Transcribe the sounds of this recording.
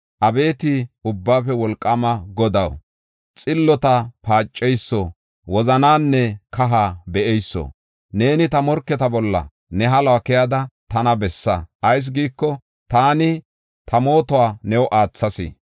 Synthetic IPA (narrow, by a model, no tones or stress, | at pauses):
ʔɐbe̞ːt̪ɪʊbːaːfɛwɔlkʼːɐmɐɡɔd̪ɐw | t͡sʼɪlːɔt̪ɐpaːt͡ʃʼːɛjsːɔ | wɔzɐnaːnːɛkɐɦaːbɛʔɛjsːɔ̰ | ne̞ːnɪt̪ɐmɔɾkːɛt̪ɐbɔlːɐ̰ | nɛɦɐlakɪjaːd̪ɐt̪ɐnɐbɛsːɐʔːjs̬ɡiːkːɔ | t̪aːnɪ | t̪ʰɐmo̞ːt̪ɔwaːnɛwɔʔaːt͡sːɐsɪ̰